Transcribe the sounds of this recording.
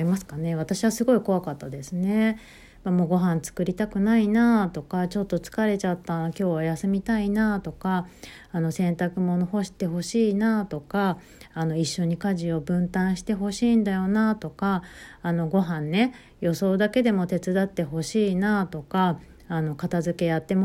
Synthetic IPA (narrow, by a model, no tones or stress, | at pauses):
imasɨ̥kane̞β̞at̪aɕiβasɨɡo̞iko̞βakat̪ːad̪e̞sɨne̞ | mamo̞ːɡo̞ɦãnt͡sɨ̥kɯ̟ɾʲit̪akɯ̟nainat̪o̞kat͡ɕo̞t̪ːo̞t͡sɨ̥kaɾe̞t͡ɕat̪ːakʲo̞ːβajasɨmʲit̪ainat̪o̞kaː | no̞sẽ̞nt̪akɯ̟mo̞noho̞ɕi̥t̪e̞ɦo̞ɕiːnat̪o̞kaː | no̞iɕːo̞ɲ̟ikaʑio̞bɯ̟̃nt̪ãɰ̃ɕi̥t̪e̞ɦo̞ɕiːnd̪ajo̞nat̪o̞kaːno̞ɡo̞ɦãnːe̞ | jo̞so̞ːd̪ake̞d̪e̞mo̞t̪e̞t͡sɨd̪at̪ːe̞ho̞ɕiːnat̪o̞kaː | no̞kat̪azɨke̞jat̪ːe̞m